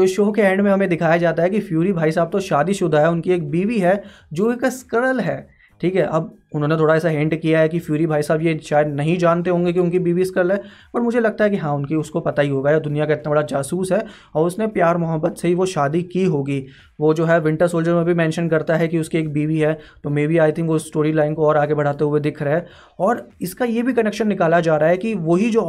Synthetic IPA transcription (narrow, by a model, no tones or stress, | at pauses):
d͡ʒoʃoːkeɛ̃ːɳɖmẽɦɐmẽd̪ɪkʰaːjad͡ʒaːt̪aɦɛkifjuːɾibʱaːisaːb̚t̪oʃaːd̪iʃʊd̪ʱaɦɛʊnkieːk̚biːʋiɦɛ | d͡ʒoːɪkskəɾəlɦɛː | ʈʰiːkɦɛʔɐb̚ | ʊnɦõːnet̪ʰoːɽaɛːsaɦɪ̃ɳʈkijaɦɛkifjuːɾibʱaːisaːbjeʃaːjəd̪nɐɦĩd͡ʒaːnt̪eɦõːŋɡek̬iʊnkibiːʋiskəɾəlɦɛː | pɐʈmʊd͡ʒʱelɐɡ̚t̪aɦɛkiɦãːʊnkiʊskopɐt̪aɦiɦoːɡajaːd̪ʊnijakaɪt̪nabɐɽad͡ʒaːsuːsɦɛ | ɔːɾʊsnepjaːɾmʊɦəbːət̪seɦiʋoʃaːd̪ikiɦoːɡiː | ʋod͡ʒoːɦɛʋɪ̃ɳʈəɾsoːld͡ʒəɾmẽbʱimɛ̃ːnʃənkɐɾt̪aɦɛkiʊskieːk̚biːʋiɦɛːt̪omɛ̃ːbʱiaːɪt̪ʰɪ̃ŋkʋoɪsːʈoːɾilaːɪnkoɔːɾaːɡebʱɐɽ̤aːt̪eɦʊed̪ɪkʰɾɐɦɛ | ɔːɾɪskajebʱikɐnekʃənːɪkaːlad͡ʒaːɾaɦɛkiʋoːɦid͡ʒoː